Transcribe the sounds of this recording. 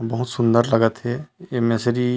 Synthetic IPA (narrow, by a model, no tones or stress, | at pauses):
bəɦut̪sʊnd̪əɾləɡət̪ɦeemesəɾi